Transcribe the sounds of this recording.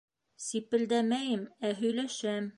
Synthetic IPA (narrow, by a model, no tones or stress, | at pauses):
sipɘ̆ld̪æmæjɘmæɦɵ̆jlæʃæm